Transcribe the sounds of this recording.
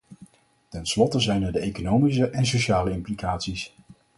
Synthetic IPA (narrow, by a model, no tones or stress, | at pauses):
tɛnslɔtəzɛjnɛɹdəejkonowmis̬əʔɛnsoʃaːləɪmplikaːtsis